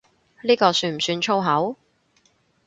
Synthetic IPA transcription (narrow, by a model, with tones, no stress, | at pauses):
liː˥kɔː˧syː˧nm̩˨˩syː˧nt͡ʃʰo˥wɦɐ˨˥w